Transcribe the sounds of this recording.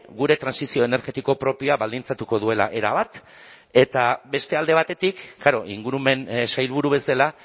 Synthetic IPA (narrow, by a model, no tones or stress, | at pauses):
ɡuɾe̞t̪ɾansisio̞ene̞ɾɣe̞t̪iko̞pɾo̞pioaβald̪int͡sat̪uko̞ðue̞la̰ʔeɾaβat̪ | e̞t̪abe̞st̪e̞ald̪e̞βat̪e̞t̪ikːaɾo̞ʔḭŋɡuɾume̞nsajlβuɾuβe̞sala